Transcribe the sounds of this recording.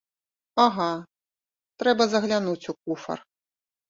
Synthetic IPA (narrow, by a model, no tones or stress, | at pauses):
aɣa | t̪ɾɛbɐzɐɣlʲanut͡sʲukufɐ̰r